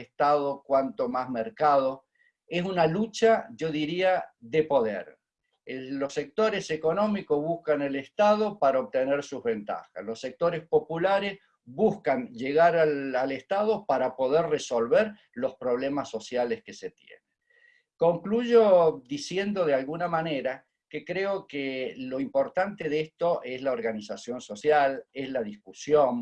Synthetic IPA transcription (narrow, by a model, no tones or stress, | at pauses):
est̪aðokwant̪o̞mazmeɾkað̞o̞ | es̬unalut͡ʃaʒo̞ðiɾiaðepo̞ðḛɾ | elo̞se̞k̚t̪o̞ɾe̞seko̞no̞mikozβuhkanelest̪að̞o̞paɾaoβ̚t̪eneɾsuzβe̞nt̪a̰xa̰slo̞sek̚t̪o̞ɾespo̞pulaɾes | βuskanʒeɣaɾaalest̪aðo̞paɾapo̞ðerreso̞lβeɾ | lo̞spɾo̞β̞lemasːo̞sjaleskese̞t̪jḛne | ko̞ŋkluʒod̪isje̞nd̪o̞ð̞ealɣunamaneɾa | kekɾeokelo̞impo̞ɾt̪ant̪eðest̪o̞ʔezlaoɾɣanisasjo̞nso̞sjalezlaðiskusjon